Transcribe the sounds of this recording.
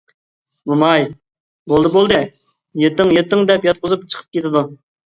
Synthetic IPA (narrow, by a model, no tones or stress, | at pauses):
mumɑj | bolˠd̪ɨbolˠd̪ɨ | jet̪ːɪŋjet̪ːɪŋd̪ɛpjɑt̪̚qʊzupt͡ʃʰə̥qʰə̥p̚kʲʰet̪ʰɪd̪u